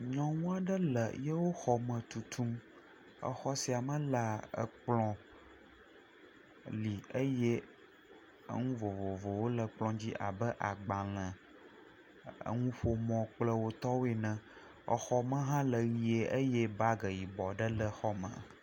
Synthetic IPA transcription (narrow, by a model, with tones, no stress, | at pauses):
ɲɔ̃˨ŋũ˦a˨ɖə˦lə˨je˦wo˦xɔ˨mə̃˨t̪u˨t̪ʰu˦m | ə̰˨xɔ˦si˨a˨mə̃˦la˨ə̰˨k͡plɔ̃˨ | li˨ə˦je˦ | ə̰˦ŋũ˦vo˨vo˨vo˨wo˦lə˨k͡plɔ̃˦d͡ʑi˦ʔa̰˨bə˦ʔa˨ɡ͡bã˨l̃ə̃˨ | ə̰˦ŋũ˦ɸo˦mɔ̃˨k͡plə˦wo˦t̪ɔ˦wo˦e˨nə̃˨ | ə̰˨xɔ˦mə̃˦ɦã˦lə˨ɣi˨e˨ʔə˦je˦ba˦ɡə˨ji˨bɔ˨ɖə˦lə˨xɔ˦mə̰̃˨